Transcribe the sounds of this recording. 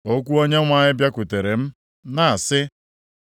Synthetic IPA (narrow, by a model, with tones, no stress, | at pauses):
o˦kʷu˦o˦ɲe˦ŋʷa˨ɲɪ˦bja˦kʷʊ˨te˨ɾe˨m̩˦ | na˦a˨sɪ˦